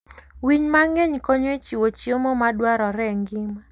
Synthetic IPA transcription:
wiɲmaŋeɲkoɲwet͡ʃiwot͡ʃiomomadwaɾɔɾɛŋɡima

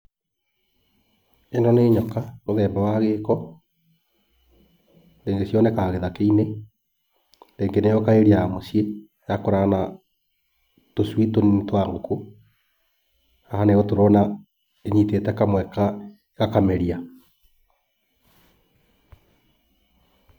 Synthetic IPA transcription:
enɔneːɲɔkamoðɛːmbawaɣeːkɔ | ɾeːŋɡesjɔnɛkaɣeðakeine | ɾeːŋɡenejɔkaeɾiamosie | jakoɾaana | toswitontwaŋɡoku | ahaneɣɔtoɾɔna | eɲiteːtɛkamwɛka | eɣakamɛɾia

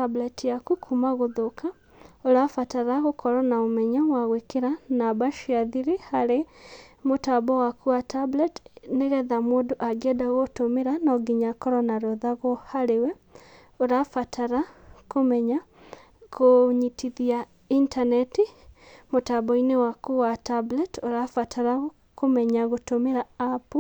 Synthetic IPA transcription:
ablɛtjakukʰumaɣoðokʰa | oɾafataɾaɣokɔɾɔnaomɛɲawaɣwekeɾanabaʃiaðiɾihaɾemotabɔwakuatʰablɛtneɣɛðamoːdoʔaɡɛdaɣɔtomeɾanɔɡiɲakɔɾɔnaɾɔðaɣɔhaɾewɛ | oɾafatʰaɾakomɛɲa | koɲitʰiðia | intanɛtimotabɔinewakuwatablɛtoɾafatʰaɾa | komɛɲaɣotomeɾaapu

